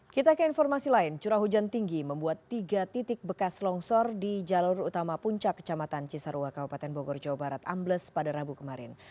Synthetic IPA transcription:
kit̪akəinfɔrmasilaɪnt͡ʃuɾaɦud͡ʒant̪iŋɡiməmbuat̪ːiɡat̪it̪ɪk̚bəkaslɔŋsɔrdid͡ʒalʊrut̪amapuɲt͡ʃakːə̥t͡ʃamat̪ant͡ʃisaɾuakabupat̪ɛnboɡɔrd͡ʒawabaɾat̪ambləspadaɾabukəmaɾɪ̰n

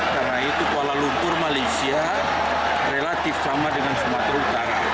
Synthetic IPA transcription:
karnait̪ukalalunt̪ʊrmalajsia | relat̪ɪfsamadəŋansəmat̪ɾaut̪aɾa

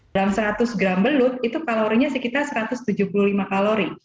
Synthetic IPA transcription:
dlamsəɾat̪ʊsɡɾambəlʊt̪̚it̪ukaloɾiɲasəkit̪arsəɾat̪ʊst̪ud͡ʒuhpuluhlimakaloɾi

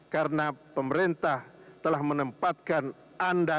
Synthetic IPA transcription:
kaɾənapəməɾent̪ah | t̪əlahmənəmpat̪̚kan | ʔanda

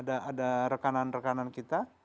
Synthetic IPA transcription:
daːdaɾəkananrəkanankit̪a

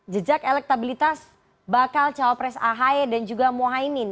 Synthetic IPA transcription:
d͡ʒəd͡ʒakelɛk̚t̪abilit̪as | bakalt͡ʃawapɾɛsaɦaedand͡ʒuɡamoɦainin

